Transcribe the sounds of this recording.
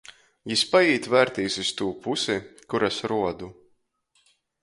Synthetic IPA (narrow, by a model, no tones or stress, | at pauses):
jispajiːt̪væɾt̪iːsist̪uːpusikuɾasɾuɔd̪u